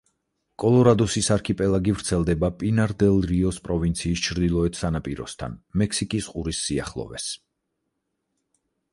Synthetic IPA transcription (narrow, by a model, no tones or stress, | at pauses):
kʼɔlˠɔɾad̪ɔsisaɾkʰipʼɛlˠaɡivɾt̪sʰɛlˠd̪ɛbapʼinaɾd̪ɛlˠɾiɔspʼɾɔvint̪sʰiːst͡ʃʰɾd̪ilˠɔɛt̪ʰsanapʼiɾɔ̰st̪ʰa̰nmɛksikʼisqʼuɾisːia̰χlˠɔ̰vɛ̰s